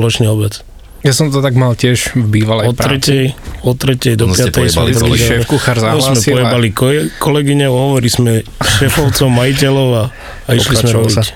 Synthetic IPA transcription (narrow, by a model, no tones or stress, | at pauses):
lɔt͡ʃɲɛɔbɛt͡s | jasɔmt̪ɔt̪aɡmalcɪɛʒvbiːʋalɛɔtpɾɾɛtɛjɔt̪ɾɛcɛjd̪ɔpɪat̪ɛjɛfkuxaɾzaɔlsaːmɛsiɔɛbalikkɔlɛɡiɲɛɔɦɔʋɔɾismɛʃɛfɔʊt͡sɔʊmajicɛlɔʊa | aipʃliasmɔbisa